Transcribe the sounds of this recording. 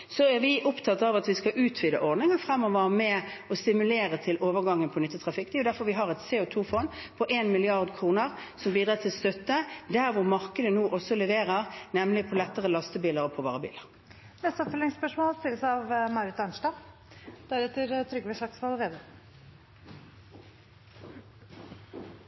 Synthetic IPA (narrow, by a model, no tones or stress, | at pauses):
sɔæʁʋɪʔʊpt̪ʰɑt̪ːəɑʋɑt̪ʋɪskɑʔʉːt̪ʰʋiːd̪əʔɔʁd̪nɪŋənfʁɛmːɔʋəʁmɛɔst̪ɪmʉleːʁət̪ʰɪlʔoːʋəʁɡɑŋːənpʰɔnʏt̪ːət̪ʰʁɑfɪkːt̪ʰiːɔd̪æɾfɔɾʋɪɦɑʁɛt̪seːɔt̪ʰuːfɔnpʰɔʔeːnmɪlɪɑʁd̪kʰɾuːnəʁsɔmbiːd̪ʁɑːt̪ʰɪlst̪œt̪ːəd̪æʁʋʊʁmɑʁkəd̪ənuːʔɔsɔlɛʋeːʁəʁnɛmlɪpʰɔlɛt̪ːəʁəlɑst̪əbiːləʁɔpʰɔʋɑːʁəbḭːləʁ | nɛst̪əɔpfœlɪŋspœʂmoːlst̪ɪləsɑʋmɑʉɾət̪ɑnʂdɑː | d̪̥ɛæɾɛt̪ːəɾt̪ʰɾʏɡʋəʂɑksʋɑlʋeːd̪ə